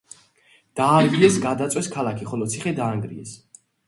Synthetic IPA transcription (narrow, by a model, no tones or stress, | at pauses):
d̪̥aːɾɡiɛsɡad̪at̪sʼwɛskʰalakʰiχɔlɔt̪sʰiχɛd̪aːŋɡɾḭɛs